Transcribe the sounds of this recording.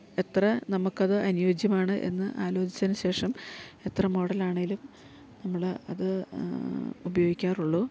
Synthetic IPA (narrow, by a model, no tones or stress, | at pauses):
e̞t̪rɐnɐmukːɐðɨʔɐnujo̞ːd͡ʑjɐmaːɳɨʔe̞̰nːɨʔaːlo̞ːt͡ɕi̥t͡ɕːɐðnɨɕe̞ːʂɐme̞t̪rɐmo̞ːɽɐlaːɳeŋɡilum | nɐmːɐɭɐ̰ðɨ | ubɐjo̞ːɡikʲːaːruɭːoː